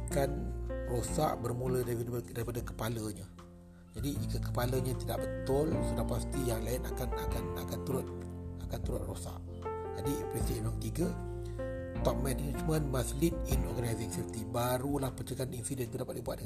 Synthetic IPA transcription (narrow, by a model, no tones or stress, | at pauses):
kanrosa̰ʔbərmũlədaidaɾipadakə̥paləɲa | d͡ʒadikəkə̥paləɲãt̪idaʔbət̪ʊlsədapast̪ijaŋlaɪnakanakana̰kant̪uɾʊt̪̚akant̪uɾʊ̰t̪̚rosa̰ʔ | d͡ʒadipɾɛsdɛnwaŋt̪iɡa | t̪ɔp̚mɛnɛd͡ʒmə̃nmaslit̪̚inɔrɡanazɪŋsift̪ibaɾulahpət͡ʃəkaninsidənt̪udapat̪̚dibuat̪̚də